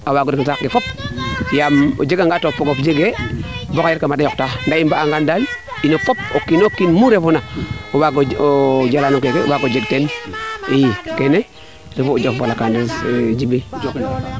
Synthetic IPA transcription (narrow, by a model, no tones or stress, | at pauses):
awaɡoksakɡefop̚jamo̰d͡ʒeɡaŋɡatopːoɡofd͡ʒeɡebokajeɾkamadajoktandaimbaːŋɡandalinofop̚okːinokːinmuɾefunaowaɡood͡ʒalanok̬ekewaɡod͡ʒeɡ̚tenijkene | ɾefud͡ʒoffolakandisd͡ʒibi